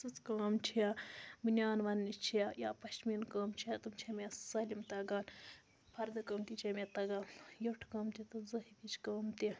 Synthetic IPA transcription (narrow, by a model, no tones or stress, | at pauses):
sɨt͡skaːmt͡ʃʰijaminʲjaːnʋɐnːit͡ʃʰijajaːpɐʃmiːnkɐːmt͡ʃʰijat̪umt͡ʃʰiamʲesɐlʲimt̪ɐɡaːn | pʰɐɾd̪ɐkɐːmt̪it͡ʃʰemʲet̪ɐɡaːnjɐʈʰkɐːmt̪ʲit̪ɨzɐhipʲit͡ʃʰkəːmt̪i